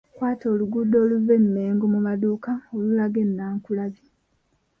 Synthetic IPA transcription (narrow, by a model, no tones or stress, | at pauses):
kwaːto̞ːluɡudːo̞ːluvenːeːŋɡomumaduːkaolulaɡenːaːŋkulaβi